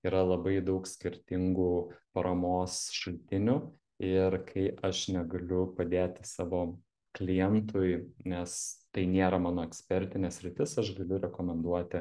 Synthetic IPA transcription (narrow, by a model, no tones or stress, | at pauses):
iːɾɐlˠɐbɐɪd̪ɐʊksʲkʲɪɾʲt̪ʲɪŋɡuːpɐɾɐmoːsʃɐlʲt̪ʲɪnʲʊ | ɪɾkʰɐɪʔɐʃnʲɛɡɐlʲʊpɐd̪ʲeːt̪ʲɪsɑːʋoː | klʲijɛnt̪ʰʊjnʲɛst̪ɐɪnʲeːɾɐmɑːnoːɛksʲpʲɛɾʲt̪ʲɪnʲɛːsʲɾʲɪt̪ʲɪsɐʃɡɐlʲʊɾʲɛkoːmʲɛnd̪uɔt̪ʲɪ